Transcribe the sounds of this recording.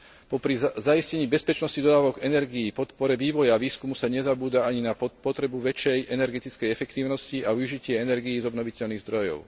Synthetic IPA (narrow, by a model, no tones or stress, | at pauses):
pɔpɾizaiscɛɲiːbɛspɛt͡ʃnɔscid̪ɔd̪aːʋɔɡɛnɛɾɡiːpɔt̪pɔɾɛʋiːʋɔjaʋiːskumusaɲɛzabuːd̪aaɲinapɔt̪ɾɛbuʋɛt͡ʃɛjʔɛnɛɾɡɛt̪it͡skɛjɛfɛkt̪iːʊnɔsciauʒicɪɛɛnɛɾɡijːzɔbnɔʋicɛʎniɣzd̪ɾɔjɔ̰ʊ